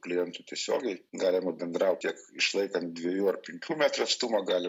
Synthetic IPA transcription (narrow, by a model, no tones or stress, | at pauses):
klʲɪjɛnt̪uːt̪ʲiɛsʲo̰ːɡʲɛɪɡɑːlʲɪmɐbʲɛnd̪ɾɐʊtʲiɛkɪʃlˠɐɪkɐnt̪̚d̪ʲʋʲɛjuːɐrpʲɛŋʲkʲuːmʲæːt̪ɾɐst̪uːmɐɡɑːlʲɪ